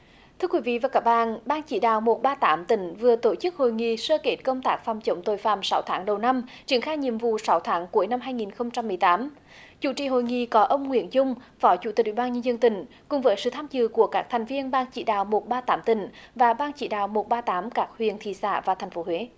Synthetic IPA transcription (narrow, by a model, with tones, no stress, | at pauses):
t̪ʰɨ˧əkwi˨˦vḭ˧˨vaː˨˩kaː˦˥k̚ɓa̰ː˧˨nɓaː˧ŋt͡ɕḭ˧˩ɗa̰ː˧˨wmo˨˩t̚ɓaː˧t̪aː˨˦mt̪ï˨˩˦ŋ̟vɨ˨˩ət̪o˧˩t͡ɕɨ˦˥k̚ho̰˧˨jŋḭ˧˨səː˧ke˦˥t̚kə˧wŋ͡mt̪aː˦˥k̚fa˨˩wŋ͡mt͡ɕə˨˦wŋ͡mt̪o˧˨˩jfa̰ː˧˨˩msa˨˦wt̪ʰaː˨˦ŋɗə˨˩wna˧mt͡ɕi˨˧˦ənxaː˧jɲḭ˧˨əmvṵ˧˨sa˨˦wt̪ʰaː˨˦ŋku˨˦əjna˧mɦaː˧jŋi˨˩nxə˧wŋ͡mt͡ɕa˧mːɨ˨˩əjt̪aː˨˦m | t͡ɕṵ˧˩˦t͡ɕḭ˧˨ɦo̰˧˨jŋḭ˧˨kɔ˨˦ʔə˧wŋ͡mŋwḭ˧˥ənzʊ˧ŋ͡mfɔ˨˦t͡ɕu˧˩t̪i˨˩wi˧˨˩ɓaː˧nɲə˧nzə˧nt̪ï˨˩˦ŋ̟ | kʊ̰˨˩ŋ͡mvəː˨˦jsɨ̰˧˨t̪ʰaː˧mzɨ̰˧˨ku˧˩əkaː˦˥k̚t̪ʰɛ˨˩jŋ̟vi˧ənɓaː˧ŋt͡ɕḭ˧˩ɗa̰ː˧˨wmo˨˩t̚ɓaː˧t̪aː˨˦mt̪ï˨˩˦ŋ̟vaː˨˩ɓaː˧ŋt͡ɕḭ˧˩˦ɗa̰ː˧˨wmo˨˩t̚ɓaː˧t̪aː˨˦mkaː˦˥k̚hwḭ˨˧˨ənt̪ʰḭ˧˨˩sa̰ː˧˨vaː˨˩t̪ʰɛ˨˩jŋ̟fo˨˦hwe˨˦